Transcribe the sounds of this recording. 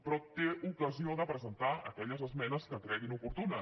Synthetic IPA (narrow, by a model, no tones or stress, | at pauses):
pɾɔt̪eukəzioðəpɾəzənt̪aə̰kɛʎəzəzmɛnəskət̪ɾɛɣinupuɾt̪unə